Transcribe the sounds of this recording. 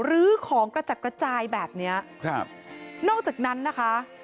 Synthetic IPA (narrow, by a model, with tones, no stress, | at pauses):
ɾɯː˦˥kʰɔː˩˦ŋkɾa˧t͡ɕa˨˩t̪̚kɾa˧t͡ɕaː˧jbɛː˨˩p̚ni˦˥ɐkʰa˧˩p̚nɔː˥˩k̚t͡ɕaː˨˩k̚na˦˥nːa˦˥kʰa˦˥